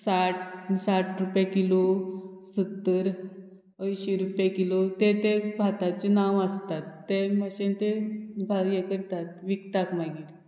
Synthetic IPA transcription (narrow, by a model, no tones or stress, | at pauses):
saʈsaʈʰɾupjakilosət̪ːəɾ | əjɕiɾupjekilot̪et̪ebʱat̪at͡ɕenaʋast̪at̪ːeməɕent̪eɡʱaɾjẽkəɾt̪at̪ʋikt̪akmaɡiɾ